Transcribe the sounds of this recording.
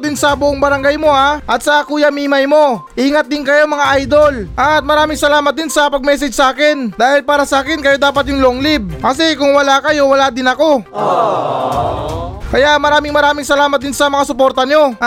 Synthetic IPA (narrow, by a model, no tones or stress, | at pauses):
d̪ɪnsɐbʊʔoŋbɐɾɐŋɡajmo̞aʔɐt̪̚sɐkuːjɐmiːmɐjmo̞ʔiːŋɐt̪̚d̪ɪnkɐjo̞mɐŋaʔajd̪o̞lʔɐt̪̚mɐɾaːmɪŋsɐlaːmɐt̪̚d̪ɪnsɐpɐɡ̚mɛːs̬ɛd͡ʒsɐʔaːkɪnd̪aːhɪlpaːɾɐsɐʔaːkɪnkɐjo̞d̪aːpɐt̪̚jʊŋloʔoŋlib̚kɐsɛkʊŋwɐlakɐjo̞wɐlaːd̪ɪnɐko̞ | kɐjamɐɾaːmɪŋmɐɾaːmɪŋsɐlaːmɐt̪̚d̪ɪnsɐmɐŋasʊpo̞ɾt̪ɐɲo̞